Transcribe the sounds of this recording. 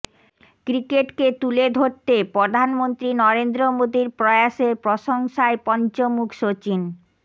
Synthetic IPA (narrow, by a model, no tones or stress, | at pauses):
kɾikeʈket̪uled̪ʱoɾt̪epɾod̪ʱanmont̪ɾinɔɾend̪ɾomod̪iɾpɾɔjaʃeɾpɾoʃoŋʃaepɔnt͡ɕomukʰʃot͡ɕin